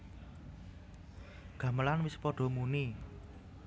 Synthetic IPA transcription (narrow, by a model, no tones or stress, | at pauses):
ɡ̥ä̤məlanwɪspɔɖ̥ɔ̤muni